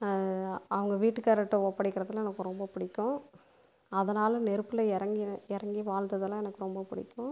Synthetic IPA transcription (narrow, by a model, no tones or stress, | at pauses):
ɐʋɐŋɡɐʋiːʈːɯkːaːɾɐʈːɯoːpːɐɽɪkːɪɾɐðɐlãɛnɐkːɯɾɔmbɐpɪɽɪkːʊ̃ | ɐðɐnaːlɐnɛɾɯpːɯlɐɛɾɐŋɡiɛɾɐŋɡiʋaːld̪ɐðɐlãːɛnɐkːɯɾɔmbɐpɪɽɪ̰kːʊ̃